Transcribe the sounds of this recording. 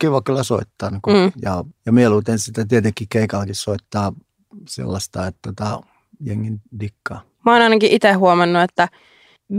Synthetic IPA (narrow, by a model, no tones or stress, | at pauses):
kiʋɑkylːæso̰it̪ːɑːnkːjɑjɑmieluːt̪ensit̪ːæt̪iet̪eŋkːˑikeikɑlːkissoit̪ːɑː | sḛlːɑst̪ɑet̪t̪ːot̪ɑ | jeŋːind̥ikːɑː | mɑoːnɑinɑkiʔit̪ehːuomɑnːuet̪ːæ